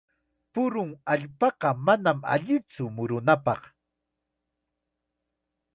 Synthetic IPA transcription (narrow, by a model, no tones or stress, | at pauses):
pʊɾʊŋaʎpɑqɑmanama̰ʎɪt͡sʊmʊɾʊnapɑq